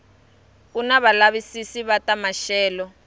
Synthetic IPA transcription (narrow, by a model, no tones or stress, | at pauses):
unaβalaβisisiβatamaʃɛːlɔ